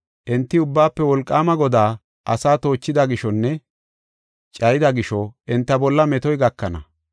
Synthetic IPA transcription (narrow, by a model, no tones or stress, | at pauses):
ʔɛnt̪ːɪʊbːaːpːɛwɔlkʼːaːmɐɡɔd̪aː | ʔɐsaːt̪o̞ːt͡ʃːɪd̪ɐɡɪʃɔnːɛ | t͡ʃʼɐjɪd̪ɐɡɪʃɔʔɛnt̪ːɐbɔlːɐmɛt̪ɔjɡɐkːɐnɐ̰